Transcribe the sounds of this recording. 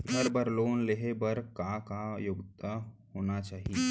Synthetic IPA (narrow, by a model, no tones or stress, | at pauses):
ɡʱəɾbəɾloːnleɦebəɾkakajʊɡt̪ʰəhoːnat͡ʃaːɦie